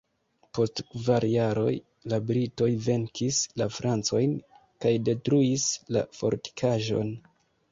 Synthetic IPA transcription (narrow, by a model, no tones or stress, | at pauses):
po̞stkvaɾjaɾo̞̰j | labɾito̞jve̞ŋkʰislafɾant͡so̞jn | kajde̞tɾuisla̰fo̞̰ɾti̥kʰaʒo̞̰n